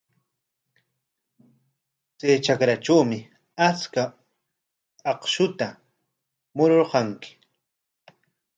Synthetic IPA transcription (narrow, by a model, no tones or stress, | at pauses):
t͡sajt͡ʃakɾaʈ͡ʂawmɪ | at͡ska | ɑqʃʊt̪a | mʊɾoɾqɑŋkɪ̥